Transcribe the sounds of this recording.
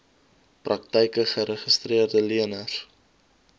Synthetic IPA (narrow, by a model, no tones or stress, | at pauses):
prɐk̚təjkəχəɾəχəstriərdəliənər